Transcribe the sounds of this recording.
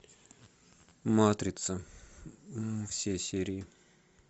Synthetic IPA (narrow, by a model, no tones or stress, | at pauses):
mat̪ɾʲɪt̪sə | fsʲesʲeɾʲɪɪ